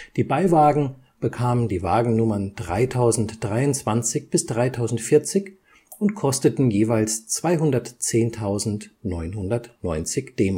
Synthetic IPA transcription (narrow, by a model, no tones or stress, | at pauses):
d̥iːbaɪvaːɡŋ̩ | b̥əkʰaːməndiːva̰ːɡŋ̩nʊmɐnd̥ʁa̰ɪtʰaʊzn̩td̥ʁaɪʊntt͡sv̥ant͡sɪçb̥ɪsd̥ʁaɪtʰaʊzn̩tfɪɐt͡sɪç | ʊntkʰɔstətn̩jeːvaɪlst͡sv̥aɪɦʊndɐtt͡seːntʰaʊzn̩tnɔʏnɦʊndɐtnɔʏnt͡sɪçd̥eːm